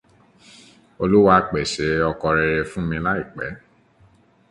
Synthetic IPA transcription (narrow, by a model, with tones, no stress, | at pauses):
o˧lu˦wa˧k͡pe˨ʃe˨˦ɔ˧kɔ˧ɾe˧ɾe˧fũ˦mĩ˧la˦i˦˨k͡pɛ˨˦